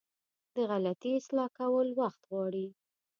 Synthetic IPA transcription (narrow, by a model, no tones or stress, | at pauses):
d̪əɣalat̪iɪslɑkawəlwaxt̪ɣwɑɽi